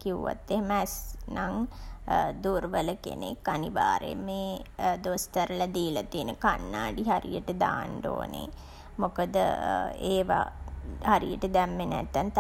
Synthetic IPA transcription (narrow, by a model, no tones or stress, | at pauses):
kiuʋa̰t̪ːeɦeməæsnaŋ | d̪uːɾʋələkḛnekːaniʋaːɾḛmeːd̪ost̪aɾəlad̪iːlat̪iːnəkanːaːɖiɦaɾḭjəʈəd̪aːnɖo̰ːnḛ | mokəd̪əeːʋahaɾḭjəʈəd̪æmːenæt̪ːant̪